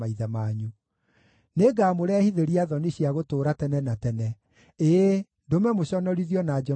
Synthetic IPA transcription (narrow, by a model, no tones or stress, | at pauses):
aiðamaɲu | neɡaːmoɾɛhiðeɾiaðɔneɕiaɣotoːɾatɛnɛnatɛnɛ | e | ndomɛmoɕɔnɔɾiðjɔnad͡ʒɛ